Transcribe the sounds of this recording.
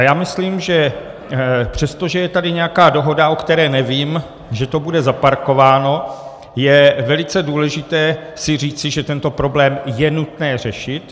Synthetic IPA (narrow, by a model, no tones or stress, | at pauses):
ajaːmɪsliːmʒɛ | pr̥ɛst̪o̞ʒɛjɛt̪adɪɲɛjakaːdo̞ɦo̞daʔokt̪ɛɾɛːnɛviːm | ʒɛt̪o̞budɛzapaɾko̞vaːno̞ | jɛvɛlɪt͡sɛduːlɛʒɪt̪ɛː | sɪr̝iːt͡sɪʒɛt̪ɛnt̪o̞pɾo̞blɛːmjɛnut̪nɛːr̝ɛʃɪt̪